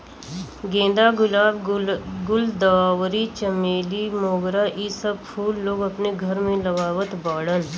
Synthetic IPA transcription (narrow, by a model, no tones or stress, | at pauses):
ɡẽːd̪aɡʊlaːbɡʊld̪ɐʋaːʋɾit͡ʃəmeːlimoːɡɾaʔiːsɐb̚pʰuːlːoːɡɐpneɡʱɐɾmẽlɐʋaːʋət̪baːɽən